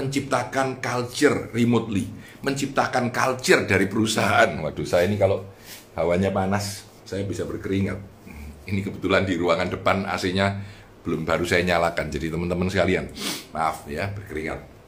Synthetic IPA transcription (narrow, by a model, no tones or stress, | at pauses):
əɲt͡ʃip̚t̪akankald͡ʒərrimʊt̪̚li | məɲt͡ʃip̚t̪akankald͡ʒərdaɾipəɾusaɦaʔanwad̥usajainikalo | hawaɲamanasː | ajabisabərkəɾiŋa̰t̪̚inikəbət̪ulandiɾuaŋandəpana̰siɲa | b̥əlʊmbaɾusajaɲalakand͡ʒadit̪əmənt̪əmənsəkalianmaːfjab̥ərkəɾiŋa̰t̪̚